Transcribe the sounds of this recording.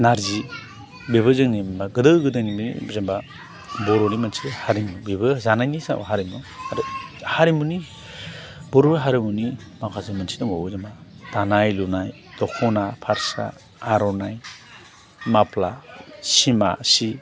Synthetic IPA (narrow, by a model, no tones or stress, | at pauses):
naɾzi | beβɯzɯŋnimmbaɡɯdɯwɡɯdɯŋniminḭzamba | bɔɾɔnimɯnsihaɾimubebɯzanajnisa̰ɔ̰ɦaɾimuaɾhaɾimuni | bɔɾɔɾɦaɾimuni | makʰazɯmansidɔŋabɯzembadanajlunaj | d̥ɔkʰɔnapʰaɾsa̰ː | ɾɔnaj | maplasima̰si